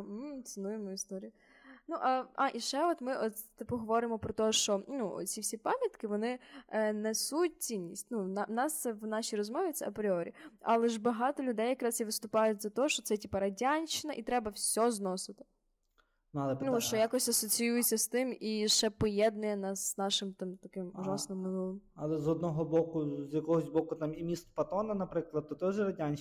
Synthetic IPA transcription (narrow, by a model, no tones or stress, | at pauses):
m̩t̪sɨnujemɔist̪ɔɾʲijʊ | nuʔɐɑʔiʃɛɔt̪mɪʔɔt̪ɐpɔɦɔʋɔɾɪmɔpɾɔt̪ɔʃt͡ʃɔnṵt͡sʲifsʲipɑmʲjɐt̪kɪʋɔnɪnɛsut̚ʲt͡sʲinʲːisʲtʲnunɑnɑsɛʋnɑʃijrɔzmɔʋʲɪt̪sɛɐpɾʲɪɔɾʲiɑlˠɛʒbɐɦɑt̪ɔlʲʊd̪ɛjːɐkɾɑzjiʋɪst̪ʊpɑjʊtʲzɐt̪ɔɦɔʃt͡ʃɔt̪sɛtʲipɐɾɐdʲanʲt͡ʃɪnɐʔit̪ɾɛbɐwsʲɔznɔsɪt̪ɪ̥ | nuɐlˠɛpnuʃt͡ʃɔjakɔsʲɐsɔt͡sʲijujet͡sʲːɐst̪ɪmiʃɛpɔjɛd̪nʊjɛnɑsnɑʃɪmt̪ɑmt̪ɐkɪmʊʒɑsnɪmːɪnulˠɪmɐlˠɛzɔd̪nɔɦɔbɔkʊzjɐkɔɦɔsʲbɔkʊt̪ɑmimʲist̪pɐt̪ɔnɐnɐpɾɪklˠɐd̪̚t̪ːɔt̪ɔʒɛɾɐdʲanʲ